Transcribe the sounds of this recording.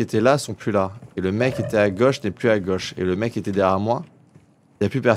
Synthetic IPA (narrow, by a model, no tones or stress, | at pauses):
et̪ɛlasɔ̃plylaeləmɛkːet̪ɛaɡoʃnɛplyaɡɔʃḛləmɛkːet̪ɛd̪ɛʁjamwa | laplypɛ